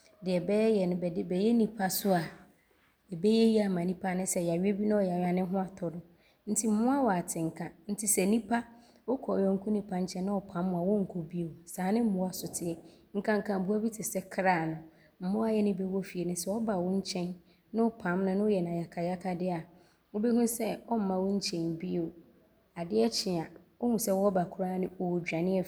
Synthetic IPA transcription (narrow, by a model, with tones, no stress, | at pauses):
dɪ˨ɛ˨bɛː˦jɛ˨nʊ̃˨bɛ˨dɪ˦bɛ˨jɛ˦nĩ˨pʰa˦sʊ˦a˨ | ɛ˨be˦jɛ˦ji˦a˨mã˨nĩ˦pʰa˦nʊ̃˦sɛ˨ja˨ɥᶣe˦bi˦nʊ̃˦ɔ˦˨jɛ˨a˨ɥa˨nɪ̃˦ɦʊ̃˦a˨tʰɔ˨dʊ˨ | n̩˦tʰi˦m̩˨mʊ̃˦a˦wɔ˨a˨tʰɪ̃˨ŋ̩˨kʰã˨n̩˦tʰɪ˦sɛ˨nĩ˦pʰa˦ | ɔ˦kʰɔ˨ɔ̃˨ŋ̩˦kʰʊ˦nĩ˦pʰa˦ɲ̩˦t͡ɕʰɛ̃˦nʊ̃˦ɔ˨pʰã˨˦m̃ː˨a˨wɔ̃˦ŋ̩˨kʰo˨bi˦o˨sãː˨˦nɪ̃˦m̩˦mʊ̃˦a˨sʊ˨tʰɪ˨ɛ˨ | ŋ̩˨kʰã˦ŋ̩˨kʰã˨bu˦a˦bi˦tʰɪ˨sɛ˦kʰɾaː˦˨nʊ̃˨ | m̩˨mʊ̃˦a˦jɛ˦nɪ̃˦be˦wɔ˦fi˨e˨nʊ̃˨sɛ˦wɔ˦ba˨wɔ̃˦ɲ̩˦t͡ɕʰɛ̃˦nː | ʊ̃˦ʊ˦pʰã˦mnʊ̃˦nɪ̃˦ʊ˦jɛ˨nã˨ja˨kʰa˨ja˦kʰa˦dɪ˦a˨ | ʊ˦bi˦hũ˦sɛ˦ɔ˦m̩˦mã˨wʊ˦ɲ̩˦t͡ɕʰɛ̃˨n˨bi˦o˨ | a˨dɪ˦ɛ˦t͡ɕʰɪ˨a˨o˦ŋũ˨sɛ˦wɔ˦ba˨kʰʊ˦ɾaː˦nɪ̃˦ɔ˨wo˨d͡ʑᶣa˨nɪ̃˦ɛ˨